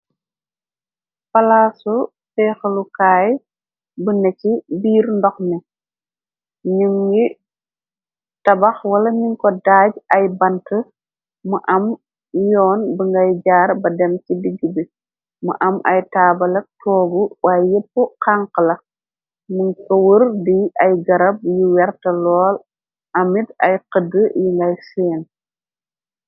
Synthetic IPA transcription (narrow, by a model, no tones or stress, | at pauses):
pɐlaːsu | fɛxəlukaːj | bunɛcibiːɾndɔxni | ɲuŋɡi | tɐbɐxwɐlɐɲuŋkɔdaːɟɐjbɐntə | muʔɐm | jɔːnbəŋɡɐjɟaːɾbɐdɛmcidiɡːibi | mə̰ʔɐmʔɐjtaːbɐlɐk̚tʰɔːɡuwaːjjəpːəqaŋqəlɐ | muŋkɐwəɾdiʔɐjɡɐɾɐb̚juwɛrtɐlɔːl | ɐmːitɐ̰jqədəjiŋɡɐjsɛːn